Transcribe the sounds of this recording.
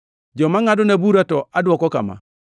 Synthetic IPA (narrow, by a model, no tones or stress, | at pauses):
d͡ʒɔmaŋadʊnabuɾatɔadwɔkɔka̰ma̰